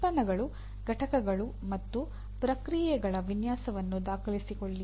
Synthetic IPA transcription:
pɐnɐɡɐɭu | ɡ̥ʱɐʈɐkɐɡɐɭu | mɐt̪ːu | pɾɐkɾijɛɡɐɭɐʋinjaːsɐʋɐnːud̪aːkʰɐlisikoɭːi

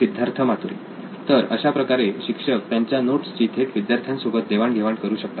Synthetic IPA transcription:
id̪jaɾt̪ʰəmat̪ulḭ | t̪əɾə̰ɕapɾəkaɾeɕikʂək̚t̪jaɲt͡ɕjanoʈst͡ɕiːt̪ʰeʈʋid̪jaɾt̪ʰjãnsubət̪̚d̪eʋaɳɡ̪ʱeʋaɳkəɾuːɕək̚t̪a

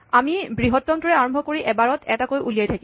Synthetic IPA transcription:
amibɹiɦɔtːɔmtɔɹɛaɹɔmbʱɔkoɹiʔɛbaɹɔtʰɛtakojʔulijajtʰaki

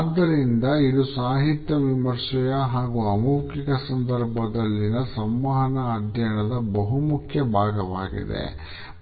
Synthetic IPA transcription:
d̪ːɐɾind̪ɐid̪usaːɦit̪jɐʋimɐɾʂɐjɐɦaːɡuɐmuːkikɐsɐnd̪ɐɾbʱɐd̪ɐlːinɐsɐmʋɐɦɐnɐːd̪ʱjɐɳɐd̪ɐbɐɦumukʰjɐbʱaːɡɐʋa̰ːɡḭd̪ḛ

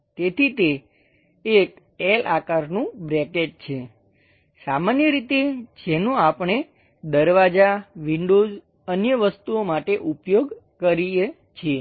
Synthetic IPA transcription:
t̪et̪ʰit̪eː | k | elʔa̰kaɾnũbɾɛkeʈ̚t͡ʃʰe | samanjəɾit̪ed͡ʒɛnũapɳe | d̪əɾʋad͡ʒaʋiɳɖoz | ənjəʋəst̪uomaʈeʔupjoɡkəɾie | t͡ʃʰe

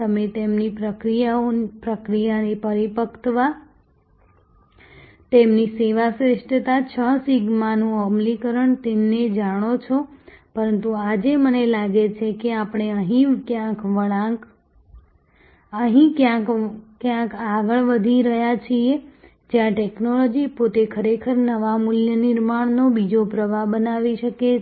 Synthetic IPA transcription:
t̪əmet̪emnipɾəkɾijaopɾəkɾijanipəɾipəkʰt̪ʋa | t̪emniseʋasɾɪʃʈət̪at͡ʃʰəsiɡmanũəmlikəɾəɳt̪emned͡ʒaɽ̃ot͡ʃʰopəɾənt̪uad͡ʒemənelaɡet͡ʃʰekeapɳ̃eəɦĩkjãkʋəa | əɦĩkjãkkjãkaɡəɭʋəd̪ʱiɾəɦjat͡ʃʰie | d͡ʒjãʈeknolɔd͡ʒipot̪ekʰəɾekʰəɾnəʋamuljənɪɾmaɳ̃nobid͡ʒopɾəʋabənaʋiʃəke

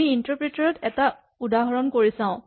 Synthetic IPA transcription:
iintɔpɹitaɹɔtɛta | udaɦɔɹɔnkoɹisãʊ̃

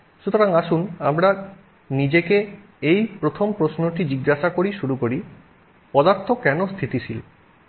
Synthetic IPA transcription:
ʃut̪oɾaŋaʃunamɾa | nid͡ʑeke | ejpɾot̪ʰompɾosnoʈid͡ʑiɡːaʃakoɾiʃuɾukoɾi | pɔd̪aɾt̪ʰokɛnost̪ʰit̪it͡ɕʰil

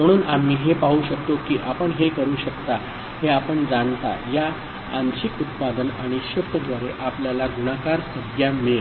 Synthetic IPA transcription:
məɽ̃uːnam̤ːiːɦepaɦuːɕək̚t̪okiːʔapəɳɦekəɾuːɕəkt̪a | heapəɳd͡zant̪a̰jaː | nɕikut̪̚pad̪ənaɽ̃iɕəft̪əd̪ʋaɾeʔapljalaɡuɽakaɾsəɡʱjame

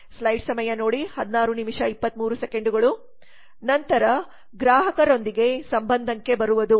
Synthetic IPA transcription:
slɐjɖsɐmɐjɐno̞ːɽihɐd̪naːɾunimiʂɐipːɐt̪ːmuːɾuseke̞ɳɖuɡɐɭu | nɐnt̪ɐɾɐ | ɡɾaːɦɐkɐɾo̞nd̪iɡe̞sɐmbɐnd̪ʱɐŋke̞bɐɾuʋɐd̪u

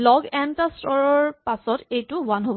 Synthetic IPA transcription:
lɔɡɛntastɔɹɔɹpasɔtejtuwanɦob

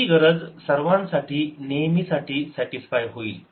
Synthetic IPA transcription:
iɡəɾəd͡zsəɾʋãnsaʈʰiːnejmiːsaʈʰiːsɛʈisfajɦoḭːl

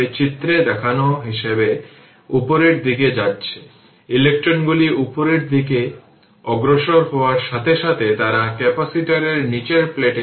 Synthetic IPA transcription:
et͡ɕit̪ːɾed̪ɛkʰanoɦiʃebe | upoɾeɾd̪iked͡ʑatːɕʰe̥ | ilek̚ʈɾonɡuliʔupoɾeɾd̪ike | ɔɡɾoʃoɾɦɔoaɾʃat̪ʰeʃat̪ʰet̪aɾakɛpasiʈaɾeɾnit͡ɕeɾpleʈe

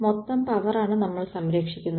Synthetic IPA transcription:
mot̪ːɐmpɐʋɐraːɳɨnɐmːɐɭsɐmɾeːkʂikʲːunːɐ

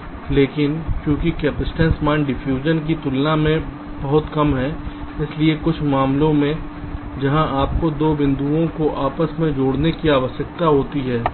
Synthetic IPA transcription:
leːkɪnkjõːkikɛːpɪsʈɛ̃ːnsmãːɳɖɪfjuːd͡ʒənk̬it̪ʊlnamẽ | bɐɦʊt̪kɐmɦɛː | ɪsliekʊt͡ʃʰmaːmlõmẽ | d͡ʒɐɦãʔaːp̚kod̪oːbɪ̃nd̪uõkoʔaːpəsmẽd͡ʒoːɽnekiaːʋəʃək̚t̪aɦoːt̪iɦɛː

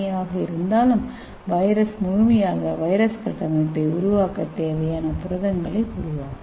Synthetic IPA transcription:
jaːɣɐɪɾɯnd̪aːlɯm | ʋɐɪɾɐsmʊɻmɐjaːɣɐʋɐjɾɐskɾɐʈːɐmɐʈːɐɪʊɾʊʋaːkːɐt̪ːeːʋɐjaːnɐpʊɾɐðɐŋɡɐɭɐɪʊɾʊʋaː

